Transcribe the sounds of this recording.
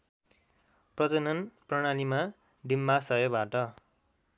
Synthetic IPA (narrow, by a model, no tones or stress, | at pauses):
prʌt͡sʌnʌnprʌɽ̃anima | ɖimbasʌɦjobaʈʌ